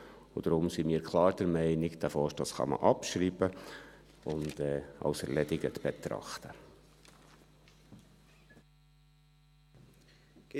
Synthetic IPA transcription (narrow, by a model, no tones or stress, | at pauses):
ud̥ɾʊmsimiːɾkʰlˠɑːɾd̥̪əɾmɛɪnɪkd̥̪æfɔːʃtdɑsχɑ̰mə̰ʔɑpʃɾiːbə | ʊnd̥ɛːɑ̰ʊsɛɾlɛdɪɡət̪b̥ɛt̪ɾɑ̰χt̪ə